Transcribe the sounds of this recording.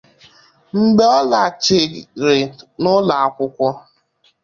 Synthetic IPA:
ŋ͡m̩˦ɡ͡be˦ɔ˦la˨t͡ʃɪ˨ɾɪ˨nʊ˦la˨a˦kʷʊ˦kʷɔ˦

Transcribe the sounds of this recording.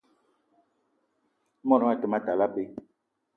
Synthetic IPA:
mɔ˦˨ɾɔ˨˦a˦˨tə˨ma˦ta˨la˦be˦

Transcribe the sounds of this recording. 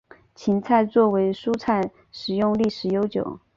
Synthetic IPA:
t͡ɕʰi˧˥nt͡sʰa˥˧ɪt͡swɔ˥˩we˧˥ɪʂu˥t͡sʰa˥˩ɪ | ʂɻ̩˨˩jʊ˥˧ŋli˥˩ʂɻ̩˨˩jo˥ʊt͡ɕjo̰˨˩˦ʊ

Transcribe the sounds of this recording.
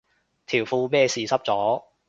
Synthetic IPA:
t̪ʰiː˨˩wfuː˧mɛː˥˧siː˨˧sɐ˥p̚t͡sɔː˨˥

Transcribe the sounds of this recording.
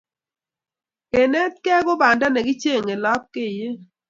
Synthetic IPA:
ke˨nɛ˦t̚kɛ˦ɡʊ˦ba˨nda˦nɛ˨ɡɪ˦t͡ʃe˦˨ŋe˨lɔ˦p̚ke˦˨je˦

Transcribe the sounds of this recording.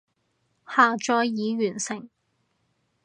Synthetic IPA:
haː˨˩t͡ʃɔː˧jjiː˨˧ɥyː˨˩nsɪ˨˩ŋ

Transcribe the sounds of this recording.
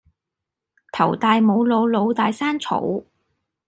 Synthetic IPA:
t̪ʰɐ˨˩wt̪aː˨˧jmo˨˧wlo˨˧wlo˨˧wt̪aː˨˧jsaː˥nt͡sʰo̰˨˧˥w

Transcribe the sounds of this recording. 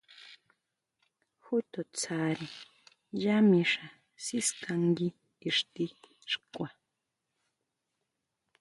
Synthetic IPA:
hu˦t̪o˨t͡sʰaɾi˨ | ja˦mi˧ʂa˨ | si˦skaŋɡi˦ | i˨ʂt̪i˦ | ʂkʷa˨

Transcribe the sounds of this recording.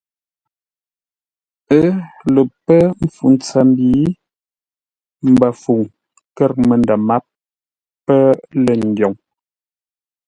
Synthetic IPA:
ə˦lə˨pə˦m˦fu˨n˦t͡sə˦mbiː˨˦ | m̩˨bə˨fu˨ŋ | kə˦˨ɾmə˨ndə˨ma˦p̚ː | ə˦lə˨n˨djɔ˨ŋ

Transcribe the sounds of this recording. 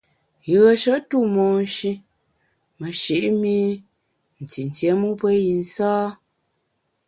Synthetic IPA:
jə˨ʃə˦ʔtu˦˨mɔ˨n˦ʃi˦ | mə˨ʃi˨ʔmi˦ | n̩˨ti˨n̩˨tjɛ˨˦mu˦pə˦ji˨n̩˦saː˦

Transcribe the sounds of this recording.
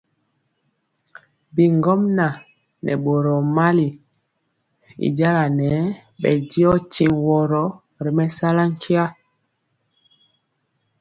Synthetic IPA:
bi˨ŋɡɔ˦mna˨ | nɛ̰˨ɓo˨ɾɔ˨ma˦li˨ | ḭ˨ɟa˦ɾa˨nɛ˨˦ | ɓɛ˨di˦ɔ˦ti˨wɔ˨ɾɔ˨˦ | ɾi˨mɛ˦sa˦la˦ŋ˦kʰi˦a˦

